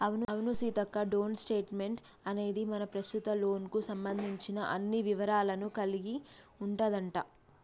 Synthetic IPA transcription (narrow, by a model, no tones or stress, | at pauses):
ɐʋnuɐʋnusiːt̪ɐkːɐɖo̞ːnsʈe̞ːʈme̞ɳʈ | ɐne̞ːd̪imɐnɐpɾɐst̪ut̪ɐlo̞ːnkusɐmbɐnd̪ʱiɲt͡ʃinɐʔɐnːiʋiʋɐɾaːlɐnukɐliɡi | uɳʈaːd̪ɐɳʈaː